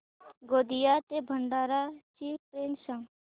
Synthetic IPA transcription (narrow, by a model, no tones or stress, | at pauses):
ɡoːd̪ijaːt̪ebʱəɳɖaːɾat͡ʃipɾensə̃ŋ